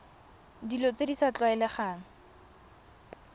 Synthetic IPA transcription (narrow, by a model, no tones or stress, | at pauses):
dilot͡sedisat͡ɬwaɛlɛχaːŋ̩